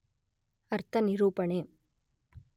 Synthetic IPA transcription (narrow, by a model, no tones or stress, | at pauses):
ɐɾt̪ɐnɪɾuːpɐɳeː